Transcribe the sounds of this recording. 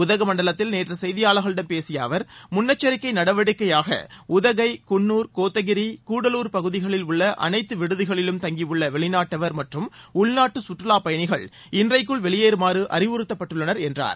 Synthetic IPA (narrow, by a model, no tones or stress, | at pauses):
ʊðɐɣɐmɐɳɖɐɭɐt̪ːɪlneːtrɐsɛjɪðɪjaːɭɐɣɐɭɪɽɐnpeːsɪja̰ːʋɐɾmʊnːɐt͡ʃːɐɾɪkːɐɪnɐɽɐʋɐɽɯkːɐjaːɣɐ̰ʊðɐɣɐɪkʊɳːuːɾkoːt̪ːɐɣɪɾikuːɽɐluːɾpɐɣɯðɪɣɐɭɪlʊɭːɐʔɐ̰nɐɪt̪ːɯʋɪɽɯðɪɣɐɭɪlɯmt̪ɐŋɡiʋɯɭːɐʋɛɭɪnaːʈːɐʋɐɾmɐʈrɯmʊɭnaːʈːɯsʊʈrɯlaːpɐjɐɳɪɣɐ̰ɭ | ɪndrɐɪkːɯɭʋɛɭɪjeːɾɯmaːɾɯʔɐ̰ɾɪʋɯɾɯt̪ːɐpːɐʈːɯɭːɐnɐɾɛndra̰ːɾ